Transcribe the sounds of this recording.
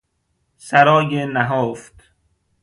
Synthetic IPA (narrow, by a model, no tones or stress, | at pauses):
sæɾɒːjenæɦoːft̪